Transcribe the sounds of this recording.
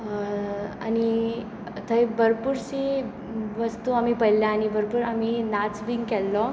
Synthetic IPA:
a̰ni | t̪ʰəjbəɾpuɾsi | ʋəst̪uamipəjljaːnibəɾpuːɾaminat͡sbiŋɡkɛlːɔ

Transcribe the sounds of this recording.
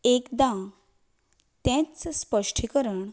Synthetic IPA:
ekd̪ã | t̪ẽt͡sspəʂʈʰikəɾəɳ

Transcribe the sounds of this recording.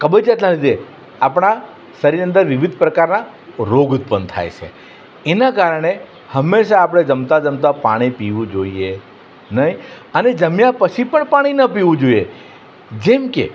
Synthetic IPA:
kəbəd͡ʒat̪nalid̪ʱe | apɽ̃a | səɾiənd̪əɾʋɪʋid̪ʱpɾəkaɾna | ɾoɡut̪̚pənt̪ʰa̰jt͡ʃʰḛ | enakaɾəɽ̃e | həmːeʃaːpɽ̃ed͡ʒəmt̪ad͡ʒəmt̪apaɽ̃ipiʋũd͡ʒoie | nəɦi | əned͡ʒəmjapət͡ʃʰipəɳpaɽ̃inəpiʋũd͡ʒoie | d͡ʒemkḛ

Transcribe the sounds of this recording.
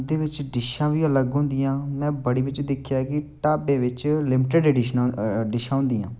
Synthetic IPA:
d̪eːʋɪt͡ʃɖɪʃãːʋiːələɡɦʊ̃ːnd̪ijãːmɛ̃ːbəɽiːʋɪt͡ʃd̪ɪkʰjaːkɪʈaːbẽːʋɪt͡ʃlɪmɪʈəɖeɖɪʃnɖɪʃãːɦʊ̃nd̪ijã̰ː

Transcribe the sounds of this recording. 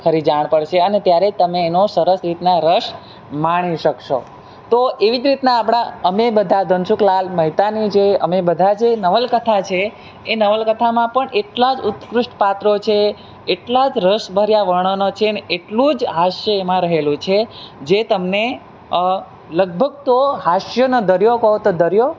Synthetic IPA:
kʰəɾid͡ʒaɳ̃pəɽʃeənet̪jaɾet̪əmeːnosəɾəsɾit̪naɾəʃ | maɽ̃iʃəkʃo̰ | t̪oʔeʋid͡ʒɾit̪naːpɽ̃aəmebəd̪ʱad̪ʱənʃuklalməɦit̪anid͡ʒeəmebəd̪ʱad͡ʒenəʋəlkət̪ʰat͡ʃʰeː | nəʋəlkət̪ʰamãpəɳʔeʈlad͡ʒʊt̪kɾʊʂʈpat̪ɾot͡ʃʰeː | ʈlad͡ʒɾəʃbʱəɾjaʋəɳ̃ənot͡ʃʰeneeʈlũd͡ʒɦaʃjəemãɾəɦelũt͡ʃʰed͡ʒet̪əmne | ləɡ̚bʱəɡ̚t̪oɦaʃjənod̪əɾjokəɦõt̪od̪əɾjo

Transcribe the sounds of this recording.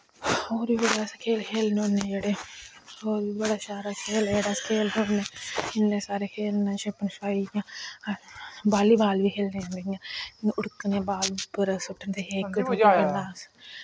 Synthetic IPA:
oːɾbiːbɐɽaːskʰeːlkʰeːlnoːnːeːd͡ʒeɽe | oːɾbibɐɽaːʃaːɾakʰeːljeɽaskʰeːlnoːnːeːɪnnẽːsaːɾekʰeːlnãːt͡ʃʰẽpənʃaːiãː | baːliːbaːlbiːkʰeːlnẽãːnd̪eãːʊɽkːənãbaːlpːəɾsʊʈʰːənt̪eɦeːkːət̪ːaelaːs

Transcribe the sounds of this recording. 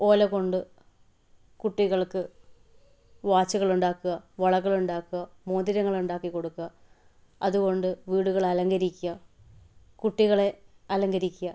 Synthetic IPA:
o̞ːlɐɣo̞ɳɖɨ | kuʈːiɣɐɭkɨ | ʋaːt͡ɕːɐɣɐɭuɳɖaːkːuɣɐʋɐɭɐɣːɐɭuɳɖaːkːuɣɐmoːnd̪iɾɐŋːɐɭuɳɖaːkːikːo̞ɽukːuɣɐ | ɐðuɣo̞ɳɖɨʋiːɽuɣɐɭɐlɐŋɡɐɾikʲːuɣɐ | kuʈːiɣɐɭe̞ɐlɐŋɡɐɾikʲːuɣɐ

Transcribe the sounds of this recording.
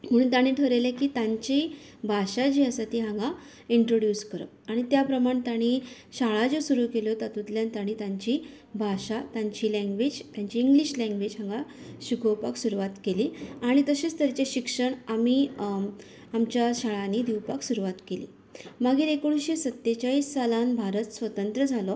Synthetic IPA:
m̤əɽ̃uːnt̪aɽ̃iːʈʰəɾelekiːt̪ãɲt͡ɕibʱaʂad͡ʑiːəsat̪iːɦãŋɡa | iɳʈɾoɽjuːskəɾə̰ | aɽ̃it̪japɾəmaɳt̪aɽ̃iː | ɕaɭad͡zosuɾuːkelot̪at̪ut̪ljant̪aɽ̃iːt̪aɲt͡ɕi | bʱaɕat̪aɲt͡ɕiːlãŋɡʋeːd͡ʑt̪jaɲt͡ɕiːŋɡliɕlãŋɡʋed͡ʑɦãŋɡaɕuɡʱəwpaksuɾuʋat̪keliːaɽ̃it̪əɕest̪ʰəɾt͡ɕeɕikʂəɳamiː | amt͡ɕjaɕaɭanid̪iwpaksuɾuʋat̪kelḭː | məɡiːɾekuɽuɕesət̪jet͡ɕaiːsːalãnbʱaɾət̪sʋət̪ənt̪ɾəd͡zʱalɔ

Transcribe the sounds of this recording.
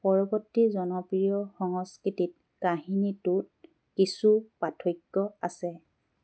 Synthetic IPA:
pɔɹɔbɔtːizɔnɔpɹijɔxɔŋɔskɹitit̚ | kaɦinitut̚ | kisupatʰojkːɔasɛ

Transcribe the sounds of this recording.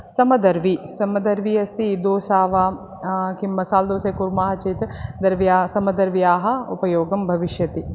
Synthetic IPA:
sɐmɐd̪ɐɾʋisɐmɐd̪ɐɾʋiːɐst̪ʰiːd̪oːsaːʋaː | kimmːɐsaːld̪oːseːkuɾmaːɦɐt͡ʃɐjt̪d̪ɐɾʋijaːsɐmɐd̪ɐɾʋijaːɦɐ̆ṵpɐjoːɡɐmbʱɐʋiʃjɐt̪i

